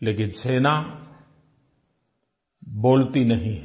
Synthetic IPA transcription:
leːkɪnseːna | boːlt̪inɐɦĩɦ

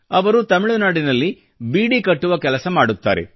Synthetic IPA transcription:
ɐʋɐɾut̪ɐmiɭunaːɽinɐlːi | biːɽikɐʈːuʋɐkɛlɐsɐmaːɽut̪ːa̰ːɾḛ

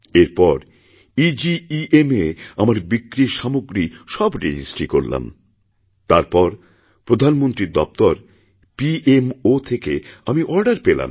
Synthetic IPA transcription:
eɾpɔɾ | id͡ʑiiʔemeamaɾbikːɾiʃamoɡɾiʃɔbɾed͡ʑisʈɾikoɾla̰m | t̪aɾpɔɾ | pɾod̪ʱanmont̪ɾiɾd̪ɔp̚t̪ɔɾ | piʔemot̪ʰekeamiʔɔɾɖaɾpela̰m

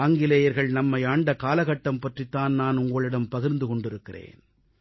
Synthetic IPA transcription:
aːŋɡɪlɐjɐɾɣɐɭnɐmːɐɪaːɳɖɐkaːlɐɣɐʈːɐmpɐʈrit̪ːaːnnaːnʊŋɡɐɭɪɽɐmpɐɣɪɾnd̪ɯkɔɳɖɪɾɯkːɪrḛːn

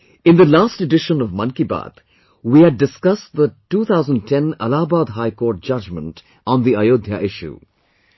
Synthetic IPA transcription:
ɪ̃nd̪əlaːsʈeɖɪʃə̃nʌvmʌ̃nkiba̰ːt̪ | wiːæɖːɪskʌstðətuːt̪ʰaʊzə̃nɖ̚tʰɛ̃nə̰laːbaːd̪ɦaɪkoːɾʈ̚d͡ʒʌd͡ʒmə̰̃nt | ɔ̃nðiajoːd̪ʱja̰ʔɪʃṵ

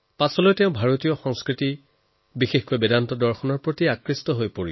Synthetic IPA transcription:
pasɔlojtɛʊ̃bʱaɹotijɔxɔ̃ŋskɹiti | bixexkojbedantɔdɔɹxʰɔnɔɹpɹotiakɹistɔɦojpoɹi

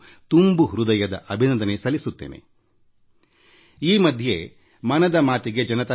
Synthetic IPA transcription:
t̪umbuɦɾud̪ɐjɐd̪ɐ̰ʔɐbʱinɐnd̪ɐne̞sɐlisut̪ːḛːne̞̰ | iːmɐd̪ʱje̞ | mɐnɐd̪ɐmaːt̪iɡe̞d͡ʒɐnɐt̪ɐ

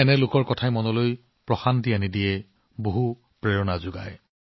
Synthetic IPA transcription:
ɛnɛlʊkɔɹkɔtʰajmɔnɔloj | pɹɔxantianidijɛ | boɦu | pɹɛɹɔnazʊɡa̰j

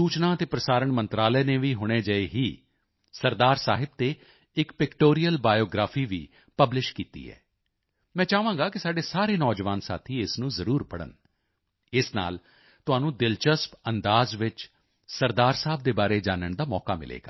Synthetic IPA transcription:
suːt͡ʃnãːət̪eːpɾəsaːɾəɳmənt̪ɾaːləːnẽːʋiːɦʊɽ̃eːd͡ʒəeːɦiː | səɾd̪aːɾsaːɦɪb̚t̪eː | ɪkpɪkʈoːɾijəlbaːjoːɡɾaːfʰiːʋḭː | pəblɪʃkiːt̪ḭːɦɛ̰ː | mɛ̃ːt͡ʃaːʋãːɡaːkɪsaːɖeːsaːɾeːnɔːd͡ʒʋaːnsa̰ːt̪ʰiːɪsnũːzəɾuːɾpəɽə̰n | ɪsna̰ːl | t̪ʊaːnũːd̪ɪlt͡ʃəspənd̪aːzʋɪt͡ʃ | səɾd̪aːɾsaːb̚d̪eːbaːɾeːd͡ʒaːnəɳd̪aːmɔːka̰ːmɪ̰lʔḛːɡa̰ː

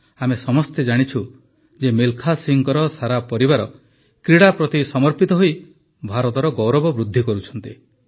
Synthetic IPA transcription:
amesɔmɔst̪ed͡ʒaɽ̃it͡ʃʰu | d͡ʒemilkʰasiŋɡɔɾɔsaɾapɔɾibaɾɔ | kɾiɽapɾɔt̪isɔmɔɾpit̪ɔɦoi | bʱaɾɔt̪ɔɾɔɡɔwɾɔbɔbɾud̪ʱːikɔɾut͡ʃʰɔnt̪i

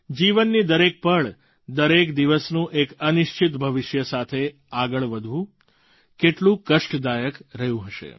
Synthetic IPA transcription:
d͡ʒiʋənːid̪əɾek̚pəɭ | d̪əɾekd̪iʋəsnũʔekənɪʃt͡ʃit̪bʱəʋɪʃjəsat̪ʰe | aɡəɭʋəd̪ʱʋũ | keʈlũkəʃʈd̪ajəkɾəjũɦəʃḛ

